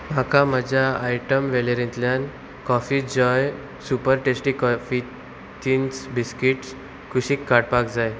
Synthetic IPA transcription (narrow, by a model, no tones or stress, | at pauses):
m̤akʰaməd͡ʑʱaajʈəmʋɛleɾẽnt̪ljan | kɔfid͡ʑɔj | supəɾʈesʈikɔfi | t̪insbiskiʈs | kʰuɕiːkːaɽpakd͡zaj